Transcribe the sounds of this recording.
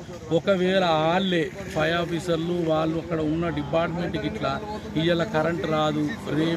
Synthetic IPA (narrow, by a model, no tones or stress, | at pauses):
ɔkɐʋɛːlɐaːlːe | pʰɐjaːpisɐɾluʋaːɭːuɐkːɐɽɐunːɐɖipaːɾʈmeɳʈiɡiʈlɐ | ijɐlɐkɐɾɐɳʈɾaːd̪uɾeː